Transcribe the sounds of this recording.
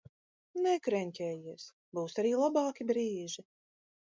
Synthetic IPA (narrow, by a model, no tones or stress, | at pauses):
nɛkɾɛnʲcʲɛːjiɛs | buːsaɾiːlˠabɑːkʲibɾiːʒi